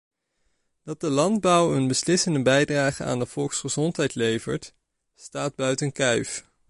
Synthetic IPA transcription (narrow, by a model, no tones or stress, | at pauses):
d̥ɑt̚dəlɑnd̚bʌwənbəslɪsəndəbɛjdraːχəa̰ːndəv̥ɔlˠksχəzɔntɦɛjtlejvə̰ɹt | staːd̚bœɥtənkœɥf